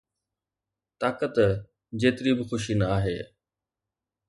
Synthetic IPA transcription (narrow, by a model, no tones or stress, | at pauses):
t̪aːkət̪ | d͡ʑeːt̪ɪɾibɪxʊʃinəaːɦeː